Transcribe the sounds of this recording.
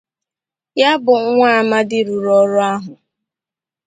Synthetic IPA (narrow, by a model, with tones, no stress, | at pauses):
ja˦bʊ˨ŋ̩˦ŋʷa˦a˨ma˦dɪ˦ɾu˨ɾɔ˦ɾʊ˦a˦ɦʊ˨